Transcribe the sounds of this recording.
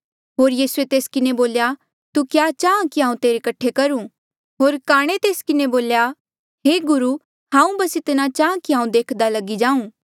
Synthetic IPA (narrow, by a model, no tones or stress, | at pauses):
ɦoːɾjiːsuet̪eːskɪneboːlja | t̪ukjat͡ʃaːãkiɦãːũt̪eːɾekɐʈʰːekɐɾũ | ɦoːɾkaːɽ̃et̪eːskɪneboːlja | ɦeːɡʊɾu | ɦãːũbɐsɪt̪ɪnat͡ʃaːãkiɦãːũd̪eːkʰd̪alɐɡid͡ʒãːũː